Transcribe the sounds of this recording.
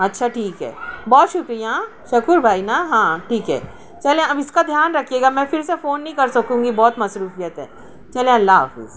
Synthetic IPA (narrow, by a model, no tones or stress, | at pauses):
ɐtːʃʰaʈʰiːkɦɛ̰ːbɔːt̪ʃʊkɾija | ʃɐkʊɾbʱaːinaɦãːʈʰiːkɦɛ̰ː | t͡ʃɐlẽɐbɪskad̪ʱjaːnɾɐkʰjeːɡamɛ̃ːfɪɾsefoːnːɐɦĩkɐɾsɐkũːŋɡibɔːt̪mɐsɾuːfijət̪ɦɛ̰̃ː | t͡ʃɐlẽɐlːaɦa̰ːfɪ̰z̥